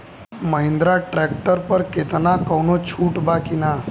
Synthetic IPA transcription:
məɦĩnd̪ɾaʈɾɛk̚ʈəɾpəɾket̪nakəwnot͡ʃʰuːʈbakina

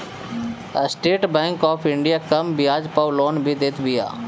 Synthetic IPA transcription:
sʈeːʈbɛ̃ːŋkɔːpʰɪ̃ɳɖijaːkəmbɪjaːd͡ʒpəwloːnbʱid̪eːt̪bija̰ː

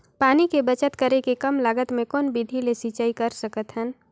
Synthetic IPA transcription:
paːnikebət͡ʃət̪kəɾekekɐmlaːɡət̪mẽkɔːnbid̪ʱilesiːt͡ʃaːikɐɾsəkət̪ɦən

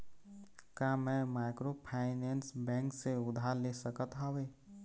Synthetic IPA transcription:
kamɛ̃maːɪkɾopʰaːɪnɛ̃nsbɛ̃ːŋkseʊd̪ʱaːɾlesəkət̪ɦãʋeː

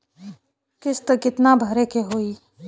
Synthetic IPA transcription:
kɪst̪əkɪt̪nabʱəɾekeɦoːi

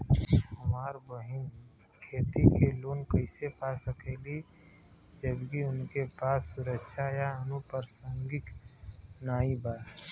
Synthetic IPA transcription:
ɦəmaːɾbəɦɪn | kʰeːt̪ikeloːnkəɪsepasəkeːli | d͡ʒəbkiʊnkepaːsːʊɾəkʃʰajaənupəɾsə̃ŋɡɪk | naːibaː

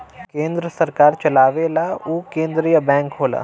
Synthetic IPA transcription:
kẽːnd̪ɾəsɐɾkaːɾt͡ʃɐlaːʋelaukẽːnd̪ɾijəbɛ̃ːŋkɦoːla̰ː

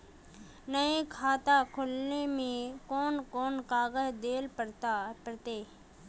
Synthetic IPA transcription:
nəekʰaːt̪akʰʊlnemẽkɔːnkɔːnkaːɡəɦd̪eːlpəɾt̪pəɾt̪eː

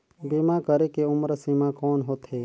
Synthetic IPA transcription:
bimakəɾekeʊmɾsimakɔːnɦoːt̪ɦeː

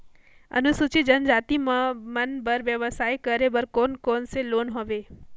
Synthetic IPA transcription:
ɐ̰nʊsut͡ʃid͡ʒɐnd͡ʒaːt̪imɐnbɐɾʋjəʋəsaːikɐɾebɐɾkoːnkɔːnseloːnɦoːʋeː

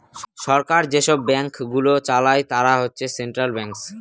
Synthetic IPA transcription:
ʃɔɾkaɾd͡ʑeʃɔbːɛŋkɡulot͡ɕalajt̪aɾaɦotːɕʰeseɳʈɾalbɛŋks

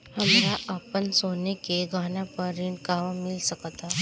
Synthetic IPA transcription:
həmlaʔapənsonekeɡʱanãpəɾiːɳɖkaʋəmilsəkt̪a

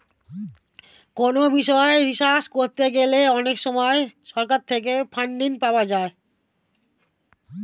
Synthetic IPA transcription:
konobiʃɔeɾiʃaʃkoɾt̪eɡeleɔnekʃɔmɔeʃɔɾkaɾt̪ʰek̬epʰaɳɖinpaoad͡ʑae

